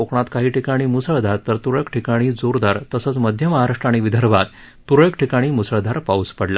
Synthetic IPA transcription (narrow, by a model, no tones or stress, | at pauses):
okɳ̃at̪kaɦiːʈikaɽ̃iːmusəɭd̪ʱaɾt̪əɾt̪uɾɭəkʈʰikaɽ̃iːd͡zoɾd̪aɾt̪əsət͡sməd̪ʱjəməɦaɾaʂʈɾaɽ̃iːʋid̪ʱəɾbat̪ː | uɾɭəkʈʰikaɽ̃iːmusɭd̪ʱaɾpauspəɽla̰